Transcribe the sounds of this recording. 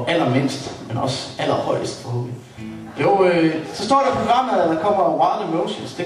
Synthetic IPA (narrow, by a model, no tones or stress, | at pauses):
ʔæl̰ɐme̝n̰sd̥menɒ̽sæl̰ɐhɒ̽ɪ̰əsd̥bʰʁoðˠi | joʊøsɒ̽sd̥ɒ̰ːɾɑpʰoɡ̥ʁɑ̈m̰ðædɑkʰɒ̽m̰ɐwɑəmoʊɕənsd̥e